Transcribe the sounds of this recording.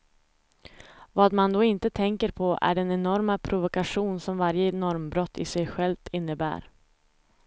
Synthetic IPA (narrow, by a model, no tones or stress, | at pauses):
vaːd̪mand̪ɔɪnt̪ət̪ʰɛŋkəɾpʰɔʔæ̰ɖɛnɛnɔɾmapʰɾʊvʊkaɧuːnsɔmvaɾjənɔɾmbɾɔt̪ʰːɪ̰sɛjɧɛlvt̪ʰɪnːəbæ̰ːɾ